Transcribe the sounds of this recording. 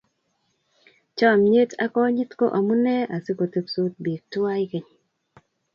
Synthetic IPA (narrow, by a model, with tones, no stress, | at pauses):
t͡ʃɔ˦˨mɲe˦tʰa̰˦kɔ˦ɲɪ˦tko̰˦ʔa˨mu˦nɛ˦a˨se˦ko˨te˦psu˦t̚bi˨k̚twa˦i˦ke˨ɲ˨